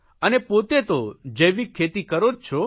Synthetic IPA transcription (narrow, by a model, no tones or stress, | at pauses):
ənepot̪et̪od͡ʒəʋikʰːet̪ikəɾod͡ʒt͡ʃʰo